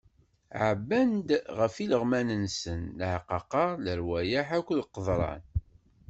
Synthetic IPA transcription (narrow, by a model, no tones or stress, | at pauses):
ʕəbænd̪ʁəfiləʁmænənsənləʕqɑqɑləɾwæjaħækʷːðqːəðˤɾˤɑ̰n